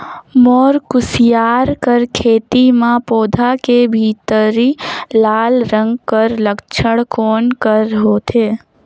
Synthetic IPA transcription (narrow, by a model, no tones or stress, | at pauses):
mɔːɾkʊsɪjaːɾkəɾkʰeːt̪imãpoːd̪ʱakebʱiːt̪əɾilaːlɾə̃ŋɡkəɾləkt͡ʃʰəɽkoːnkəɾɦoːt̪ʰeː